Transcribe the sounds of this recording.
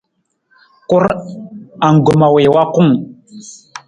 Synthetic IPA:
ku˦ɾ | a˨ŋ˨ɡu˨ma˨we˨wa˦ku˦ŋ

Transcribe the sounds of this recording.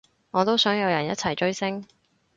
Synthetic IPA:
ŋɔː˨˧t̪o˥wsœː˨˥ŋjɐ˨˧wjɐ˨˩njɐ˥t̚t͡sʰɐ˨˩jt͡ʃɵ˥ɥsɪ˥ŋ

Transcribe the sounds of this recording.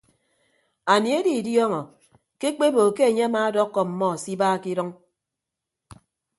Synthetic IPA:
a˨ni˨e˦di˨djɔ˦ŋɔ˨ | ke˦k͡pe˦bo˨ke˦e˨ɲe˦a˦maː˦dɔ˦kːɔ˨m̩˨mɔ˦˨si˦baː˦˨ki˦ɾɔ˦ŋ

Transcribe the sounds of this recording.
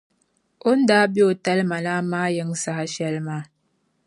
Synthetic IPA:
o˦n̩˦da˦bjo˦˨tɛ˦lma˨la˦ma˦jə˦ŋsa˨ha˦ʃɛ˦˨lma˦˨

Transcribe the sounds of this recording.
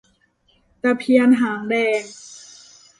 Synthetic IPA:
t̪a˧pʰi˧ənɦaː˩˦ŋdɛː˧ŋ

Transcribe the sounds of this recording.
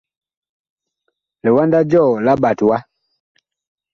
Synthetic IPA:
lɛ˨wa˦nda˦d͡ʒɔ˦˨la˦ba˨twa˦

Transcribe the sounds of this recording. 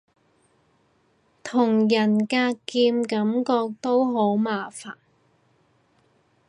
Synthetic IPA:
t̪ʰʊ˨˩ŋjɐ˨˩nkaː˧kiː˧mkɐ˨˥mkɔː˧k̚t̪o˥wɦo˨˥wmaː˨faː˨n

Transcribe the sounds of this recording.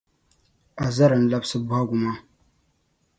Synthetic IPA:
a˨za˦ɾɨ˨n̩˦la˦bsɨ˦bu˦ha˦ɡʷu˨ma˦

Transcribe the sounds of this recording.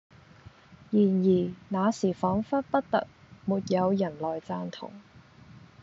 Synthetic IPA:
jiː˨˩njiː˨˩naː˨˧siː˨˩fɔː˨˥ŋfɐ˥t̚pɐ˥t̚t̪ɐ̰˨k̚muː˨t̚jɐ˨˧wjɐ˨˩nlɔː˨jt͡saː˧nt̪ʰʊ̰˨˩ŋ

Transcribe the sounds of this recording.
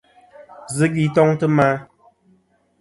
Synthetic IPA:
zə˦ɡi˨tɔ˦ŋtə˦ma˦

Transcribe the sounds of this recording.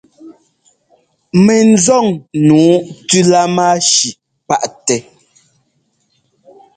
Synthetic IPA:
mɛ˨n̩˦zɔ˦˨ŋnuː˨˦tʉ˦la˦maː˦ʃi˨ | pa˦ʔtɛ˦

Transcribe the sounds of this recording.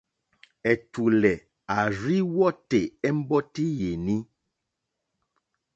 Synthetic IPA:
ɛ˨tu˨lɛ˨ | a˨ɾi˦wɔ˦te˨ɛ˦m̩˦bɔ˦ti˦je˨ni˦

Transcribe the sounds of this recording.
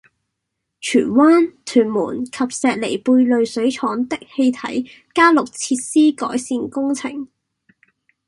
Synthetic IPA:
t͡ʃʰyː˨˩nwaː˥nt̪ʰyː˨˩nmṵː˨˩nkʰɐ˨p̚sɛː˨t̚le˨˩jpuː˧jlɵ˨ɥsɵ˨˥ɥt͡ʃʰɔː˨˥ŋt̪ɪ˥k̚he˧jt̪ʰɐ̰˨˥j | kaː˥lʊ˨k̚t͡sʰiː˧t̚siː˥kɔ̰ː˨˥jsiː˨nkʊ˥ŋt͡sʰɪ˨˩ŋ

